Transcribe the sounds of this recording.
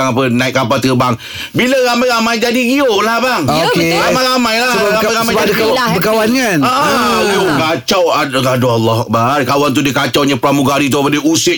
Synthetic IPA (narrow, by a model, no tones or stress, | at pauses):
aŋap̬ənãɪtʔ̚kapat̪əbaŋ | biləɾamãjɾamãjd͡ʒadiɡiolahbaŋokeɾamaɾamãjlaɾamajamãjabəkawanŋanaɣioɡat͡ʃawaadoalːɔhak̚barkawant̪̬udikat͡ʃawɲãpɾamuɡaɾit̪̬upadiusɪ